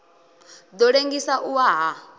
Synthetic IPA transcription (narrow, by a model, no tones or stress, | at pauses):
d̪ɔɺeŋɡisaʔuwaɦa